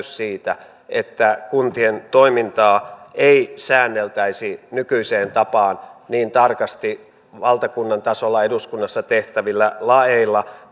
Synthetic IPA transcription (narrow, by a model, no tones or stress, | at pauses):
ssiːt̪æ | et̪ːækunt̪ient̪oimint̪ɑːeisæːnːelt̪æisinykyiseːnt̪ɑpɑːnniːnt̪ɑrkɑst̪i | ʋɑlt̪ɑkunːɑnt̪ɑsolːɑeduskunːɑsːɑt̪eht̪æʋilːælɑeilːɑ